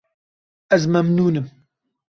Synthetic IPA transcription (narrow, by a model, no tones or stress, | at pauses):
ɛzmɐmnuːnɨm